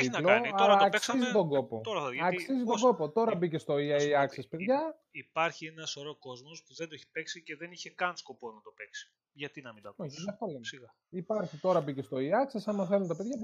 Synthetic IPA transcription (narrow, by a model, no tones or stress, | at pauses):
iloɐlɐːkssizit̪o̞ɡo̞po̞t̪oɾɐɐksizit̪oŋɡo̞po̞t̪o̞ɾɐbice̞st̪o̞iɐiɐksespe̞ðʝɐ | ipɐɾçienɐsoɾoko̞zmo̞spuðend̪oeçi̥peksice̞ðe̞niçe̞kɐnsko̞ponɐt̪o̞pe̞ksi̥ | ʝɐt̪inɐmind̪ɐkoçðɐft̪olemsiɣɐ | ipɐɾçit̪o̞ɾɐbice̞st̪o̞iɐksesɐnmɐθelunt̪ɐpe̞ðʝɐ